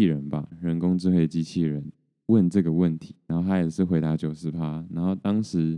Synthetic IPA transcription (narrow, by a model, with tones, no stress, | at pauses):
i˥˩ɻə˨˦nba˨ɻə˧˦nkʊ˥ŋʈ͡ʂɻ̩˥˧xwe˥˩ɪd̪ə˨t͡ɕi˦t͡ɕʰi˥˩ɻə˨˦n | wə˥˨nʈ͡ʂə˥˩ɡə˩wə˥˨nt̪ʰi˨˦na˨˦nxo˥˧ʊt̪ʰa˥jɛ˨˩ʂɻ̩˥˩xwe˧˥ɪt̪a˧˥t͡ɕjo˨˩ʊʂɻ̩˧˥pʰa˦na˧˥nxo˥˩ʊt̪ɑ˥ŋʂɻ̩˧˦